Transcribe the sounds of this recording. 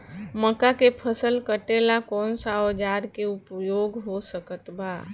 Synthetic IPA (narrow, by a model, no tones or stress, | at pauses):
məkakepʰəsəlkəʈelakɔːnsaod͡ʒaɾkeupjoɡɦosəkət̪ba